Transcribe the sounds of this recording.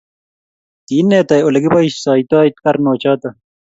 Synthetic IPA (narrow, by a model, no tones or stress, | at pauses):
t̪iːnːeːt̪ɐjolɐɡibɐiɕsaːit̪aːit̪̚kɐɾnoːt͡ɕaːt̪ɐ